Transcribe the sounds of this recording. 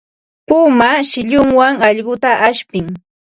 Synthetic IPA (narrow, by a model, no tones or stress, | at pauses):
pʊmaʃɪʎʊŋwaŋɑʎɢʊt̪aʔaʃpɪŋ